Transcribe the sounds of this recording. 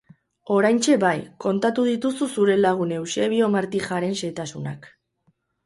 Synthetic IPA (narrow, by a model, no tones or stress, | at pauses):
o̞ɾajnt͡ʃe̞βajko̞nt̪at̪uð̞it̪ususuɾe̞laɣ̞une̞wse̞βio̞maɾt̪ixaɾe̞nse̞t̪asunak